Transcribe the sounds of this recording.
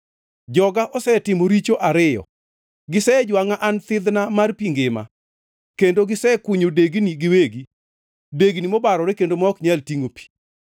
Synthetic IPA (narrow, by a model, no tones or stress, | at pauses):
d͡ʒɔɡaʔɔsɛtɪmoɾit͡ʃoʔaɾɪjɔ̰ | ɡɪsɛd͡ʒwaŋaʔant̪ɪd̪namarpiŋɡɪma̰ | kendoɡɪsɛkwuɲodeɡniɡɪweɡi | deɡnimɔbaɾɔɾekendomɔkɲaltiŋopi̥